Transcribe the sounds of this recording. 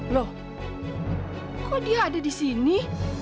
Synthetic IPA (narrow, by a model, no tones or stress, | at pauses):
lo | kʰodiadədisini